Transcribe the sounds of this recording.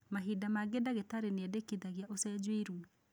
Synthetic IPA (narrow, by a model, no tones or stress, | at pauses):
maɦidamaɡedaɣetaɾeneɛdekiðaɣjaʔosɛd͡ʒweɾu